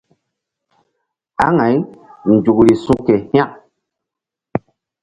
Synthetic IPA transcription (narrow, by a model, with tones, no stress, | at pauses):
a˦ŋa˨jn˨d͡ʒu˨kɾi˨sũ˦ke˨hj̃ã˦